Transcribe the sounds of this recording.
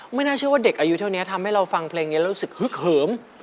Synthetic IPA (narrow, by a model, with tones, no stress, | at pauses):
ma˥˩jnaː˥˩t͡ɕʰɯ˥˩əwaː˥˩de˨˩k̚ʔaː˧ju˦˥t̪ʰa˥˩wni˦˥ɐt̪ʰa˧mha˥˩jɾa˧wfa˧ŋpʰleː˧ŋni˦˥ɾɾu˦˥sɯ˨˩k̚hɯ˦˥k̚hɤː˩˦m